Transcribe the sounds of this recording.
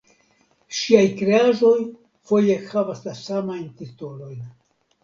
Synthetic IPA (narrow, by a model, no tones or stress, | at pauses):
ʃiajkɾeaʒo̞j | fo̞je̞havaslasamajnt̪it̪ulo̞jn